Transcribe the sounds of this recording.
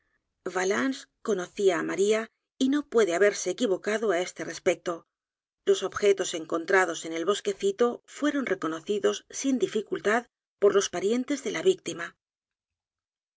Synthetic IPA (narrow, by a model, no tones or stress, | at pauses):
valansko̞no̞θiaːmaɾia | ino̞pwe̞ðeaβe̞ɾse̞ːkiβo̞kaðo̞ae̞st̪e̞re̞spe̞k̚t̪o̞ | lo̞so̞bxe̞t̪o̞seŋko̞nt̪ɾaðo̞se̞ne̞lβo̞ske̞θit̪o̞fwe̞ɾo̞nre̞ko̞no̞θiðo̞sːind̪ifikult̪að | po̞ɾlo̞spaɾje̞nt̪e̞zðe̞laβik̚t̪ima